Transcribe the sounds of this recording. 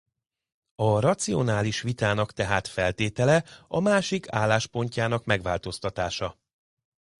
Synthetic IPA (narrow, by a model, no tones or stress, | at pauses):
ɒrɒt̪sio̞̰naːliʃʋit̪aːnɒkt̪ɛɦaːt̪fɛlt̪eːt̪ɛlɛɒmaːʃikʰaːlːaːʃpo̞ɲcaːnɒkmɛɡʋa̰ːlt̪o̞st̪ɒt̪aːʃɒ